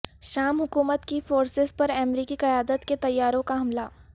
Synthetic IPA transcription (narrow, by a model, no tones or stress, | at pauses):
ʃaːmɦʊkuːmət̪kifoːɾsɪzpɐɾɛːmɾiːkiqɐjaːd̪ət̪ket̪ɐjːaːɾõkaɦɐmla